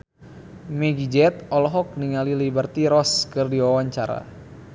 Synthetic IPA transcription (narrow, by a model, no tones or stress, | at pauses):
mɛɡid͡ʒɛt̪̚ɔlɔɦɔk̚niŋalilibərt̪iɾɔskɨrdiwawaɲt͡ʃaɾa̰